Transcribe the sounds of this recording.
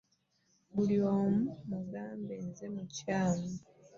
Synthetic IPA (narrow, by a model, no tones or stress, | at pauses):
βuljoːmumuɡaːmbenze̞mucaːmu